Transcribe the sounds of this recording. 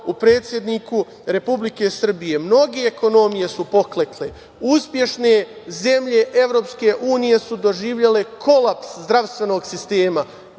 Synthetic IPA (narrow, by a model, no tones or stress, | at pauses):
upɾe̞ːt̪sʲje̞d̪niku | ɾe̞publike̞sr̩bije̞mno̞ɡe̞ːko̞no̞mije̞supo̞klekle | uspje̞ʃne | ze̞mʎe̞ʔe̞ʋɾo̞ːpske̞ʔuːnije̞sud̪o̞ʒiːʋʎele̞kʰo̞lapszd̪ɾaʋst̪ʋe̞no̞ːɡsist̪e̞ːma